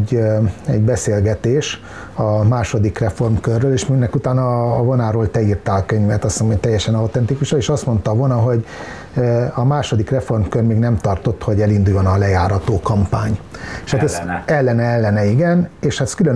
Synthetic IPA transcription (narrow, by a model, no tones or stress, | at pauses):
ɛ̰ɟbɛseːlɡɛt̪eːʃ | ɒmaːʃo̞d̪ikrɛfo̞rmkørːøːleːʃminːɛkut̪aːnɒːvonaːɾoːlt̪ɛirt̪aːlkøɲvɛt̪ɒsoŋmot̪ɛjːɛʃɛnɒwt̪ɛnt̪ikuʃɒeːʃɒst̪mo̞nt̪ɒvonɒɦo̞ɟ | øɒmaːʃo̞d̪ikrɛfo̞rmkørmeːɡnɛmt̪ɒrt̪o̞t̪ho̞ɟɛlind̪ujonɒlɛjaːɾɒt̪oːkɒmpaːɲeʃat̪sɛlːɛnɛɛlːɛnɛiɡɛneːʃhat̪skyløn